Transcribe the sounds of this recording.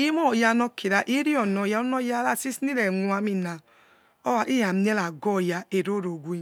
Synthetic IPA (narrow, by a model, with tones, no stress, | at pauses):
i˦mɔ˦˨ja˧nɔ˧ki˨ɾa˨ʔi˦ɾi˦ɔ˨nɔ˨ja˧˦o˦nɔ˦ja˦la˦˨si˦si˦ɾɛ˨ŋu˨a˧mi˨na˨ | ɔ˦wa˨ʔi˦ja˨m˦e˦la˨ɡɔ˦˨ja˨e˨ɾo˦ɾo˨ɡʷu˦e˦˨